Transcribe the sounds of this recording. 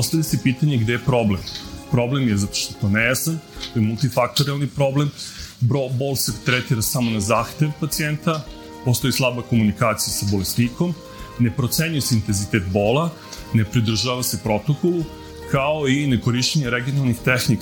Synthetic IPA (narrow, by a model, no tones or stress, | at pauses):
ost̪avjasepiːt̪aɲeɡd̪ejepɾo̞blempɾo̞blemjezat̪o̥ʃt̪ot̪onejasant̪ojemulˠt̪ifak̚t̪o̞ɾialnipɾo̞blembobo̞lˠset̪ɾet̪iɾasamo̞nazaːxt̪eʋpat̪sient̪a | po̞st̪o̞jislˠabako̞munikaːt̪sijasabo̞lesniko̞m | ne̞pɾo̞t̪seɲujeseint̪enzit̪et̪bo̞ːlˠa | ne̞pɾid̪r̩ʒaːʋasepɾo̞t̪o̞kolˠu | kaoineko̞ɾiʃt̪eɲeɾeɡio̞nalˠnixt̪exnik